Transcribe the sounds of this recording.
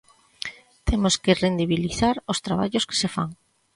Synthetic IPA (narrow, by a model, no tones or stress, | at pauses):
t̪ʰemoskerend̪iβ̞iliθaɾost̪ɾaβa̰ʎoske̥sefa̰ŋ